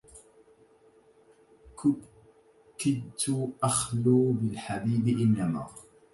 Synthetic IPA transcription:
kɪd̪t̪ʊʔaxluːbɪlħabiːbɪʔɪnːama̰ː

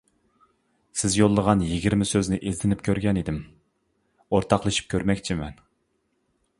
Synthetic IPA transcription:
sɪzjolˠːəʁɑnjiɡʲiɾmɪsøznɪʔezt̪ɪnɪpkʲʰøɾɡʲɛnid̪ɪm | oɾt̪ʰɑqlˠɨʃi̥p̚kʲʰøɾmɛkʲt͡ʃʰimɛn

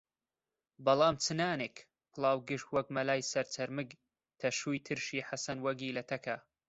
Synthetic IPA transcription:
bɐlˠɑːmt͡sʰɨnaːneːk | pʰɨlˠɑːwɡɨʃt̪wɐk̚mɐlaːjsɐɾt͡sʰɐɾmɨɡ | t̪ʰɐʃuːjt̪ʰɨɾʃiːħasɐnwɐɡiːlɐt̪ʰɐkʰɐ

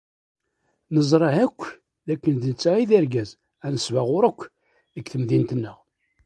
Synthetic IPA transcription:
nəzˤɾˤɑhækʷː | ðækːənðənət͡sːaiðiɾɡæz | ænəsvaʁʊɾəkʷː | ðəkθəmðint̪ənːəʁ

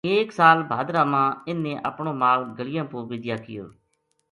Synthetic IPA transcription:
eːksaːlbʱaːd̪ɾaːmãːɪnːeːʔəpɳõːmaːlɡəlɪjãːpoːʋɪːd̪jaːkɪjo̰ː

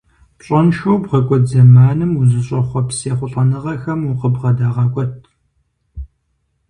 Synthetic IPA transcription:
pɕʼɐnʃowbʁɐkʷʼɔzɐmaːnɨmuzɨɕʼɐχʷɔpseːχʷʊɬʼɐnɨʁɐxɐmuqəbʁɐdaːʁɑːkʷʼɔt̚ʰ

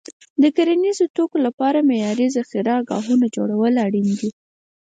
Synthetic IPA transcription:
d̪əkaɾanizot̪okolapɑɾamejɑɾizaxiɾaːɡɑ̰ɦunad͡ʒoɽawəlaɽind̪i

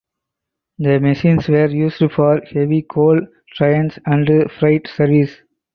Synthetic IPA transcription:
d̪əmeʃĩːnsʋeːɾjuːsfɔːɾheʋikʰoːl | ʈɾaɪə̃nsæ̃ɳɖfɾaɪʈsəɾʋis

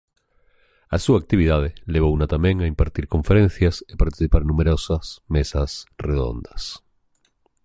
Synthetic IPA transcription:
asuak̚t̪iβ̞iðað̞eleβ̞ounat̪ameŋaimpaɾt̪iɾkõ̞ɱfeɾen̟θjasepaɾt̪i̥θipaɾenũmeɾosasmesasreðo̰nd̪as

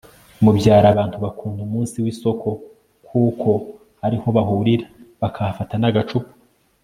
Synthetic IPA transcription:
mubɟaːɾaβaːntuβakʰuːndumuːnsiwiso̞kʰo̞ | kʰuːkʰo̞ | haɾiho̞βaɦuɾiɾaβakʰafatanaɡat͡ʃupu̥

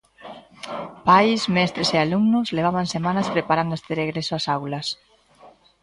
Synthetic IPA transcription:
pajsmɛst̪ɾesealumnozleβ̞aβansemanaspɾepaɾand̪est̪ereɣ̞ɾesoasawlɐs

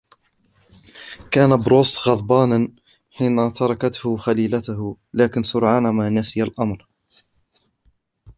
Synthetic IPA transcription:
kaːnabɾoːsɣɑðˤbɑːnan | ħiːnat̪ɑɾˤɑkat̪hʊxaliːlat̪ʊɦʊ | laːkɪnsʊɾʕaːnamaːnasɪjalʔɑmɾ

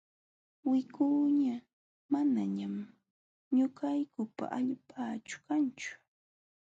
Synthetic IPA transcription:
wɪkuːɲa | manaɲam | ɲʊkajkʊpa̰ʔaʎpʰaːt͡ʃʊ̥kant͡ʃʊ̥

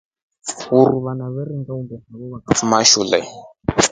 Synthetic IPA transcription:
uɾuβanaβɛriŋɡaumbɛhaβɛβakafumaʃulɛ

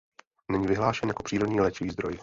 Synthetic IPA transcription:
nɛɲivɪɦlaːʃɛnjako̞̥pr̥iːɾodɲiːlɛt͡ʃɪviːzd̪ɾoj

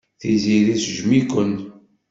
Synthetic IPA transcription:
θiziðisʒmikʷən

